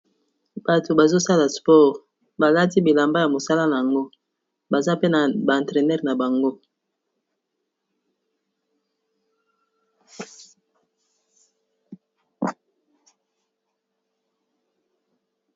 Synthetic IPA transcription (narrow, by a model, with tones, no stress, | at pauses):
b̥a˨to˨ba˨zo˦sa˦la˨spɔ˦˨ʁ | ba˨la˦ti˦bi˨la˨mba˦ja˨mo˨sa˦la˦na˨ja˨ŋɡo˦ | ba˨za˦pe˦na˨bã˨tʁe˨nɛ˦ʁna˨ba˨ŋɡo˦